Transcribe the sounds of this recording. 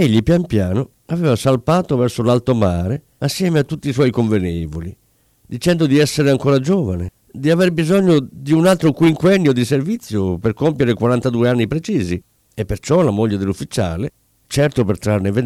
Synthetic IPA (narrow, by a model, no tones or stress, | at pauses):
eʎːipjampjaːno | avɛːvasalpaːt̪ovɛrsolalt̪omaːɾe | asːjɛːmeat̪ːut̪ːiːs̬wɔjkoɱvenɛːvoli | d̪it͡ʃɛnd̪od̪iɛsːeɾeaŋkoːɾad͡ʒɔːvane | d̪iaverbizɔɲːod̪iunalt̪ɾokwiŋkwɛnːjod̪iservit̪sːjoperkompjeɾekwaɾant̪ad̪uːeanːipɾet͡ʃiːzi | epːert͡ʃɔlamoʎːed̪elufːit͡ʃa̰ːle | t͡ʃɛrt̪opert̪ɾarneve